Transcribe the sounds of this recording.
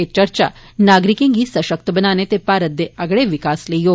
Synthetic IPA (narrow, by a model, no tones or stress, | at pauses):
et͡ʃɐɾt͡ʃa̰ | naːɡɾikiŋɡisɐʃɐk̚t̪ɐbɐnaːnet̪epaːɾət̪ːeɐɡɽeʋikaːslejoː